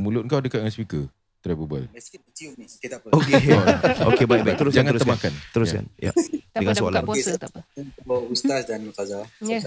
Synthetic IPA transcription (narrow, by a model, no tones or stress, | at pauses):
mulʊt̪̚ŋkawdəkat̪̚ŋanspikə | t̪ɾɛbubə̰lsit͡ʃiniiaəokeokebajkbat̪əɾʊsd͡ʒaŋãnəɾstəmakant̪əɾʊjka̰nja̰dəŋãnssəa̰lan | bəust̪asdanikaza